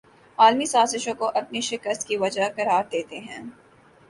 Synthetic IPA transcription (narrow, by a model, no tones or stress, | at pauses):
aːlmisaːzɪʃõkoʔɐpniʃɪkəst̪kiʋɐd͡ʒakɐɾaːɾd̪eːt̪eɦɛ̃ː